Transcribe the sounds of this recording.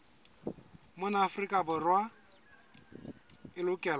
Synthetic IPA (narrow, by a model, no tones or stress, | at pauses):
mʊnaːfrikʼabʊrwa | ɪlʊkʼɛːla